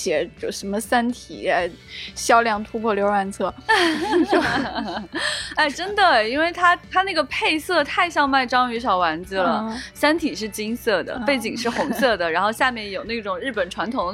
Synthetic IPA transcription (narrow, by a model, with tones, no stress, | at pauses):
ɕjɛ˨˩˥ʂə˧˥nmə˧sa˥nt̪ʰi˨˩a˧˥˩ɪɕjɑ˥ʊljɑ˥˩ŋt̪ʰu˥pʰwɔ˥˩ljo˧˥ʊɻa˧˩nt͡sʰɤ˥˩˥ | a˥˩ɪʈ͡ʂə˥nd̪ə˨i˥nwe˥˩ɪt̪ʰa˥t̪ʰa˥na˥˩ɡə˩pʰe˥˧ɪsɤ˥˧t̪ʰa˥˧ɪɕjɑ˥˧ŋma˥˩ɪʈ͡ʂɑ˥ŋy˧˥ʂɑ˨˩ʊwa˧˥nd͡zɹ̩˧lə˩sa˥nt̪ʰi˨˩ʂ̬ɻ̩˥˩t͡ɕi˥ŋsɤ˥˩d̪ə̰˩pe˥˩ɪt͡ɕi˨˩ŋʂɻ̩˥˩xʊ˧˥ŋsɤ˥˩d̪ə˩ɻa˧˥nxo˥˧ɕja˥˧mjɛ˥˩njo˨˩ʊna˥˩ʈ͡ʂʊ˨˩ŋɻɻ̩˥˩pə˨˩nʈ͡ʂʰwa˧˥nt̪ʰʊ˧˥ŋ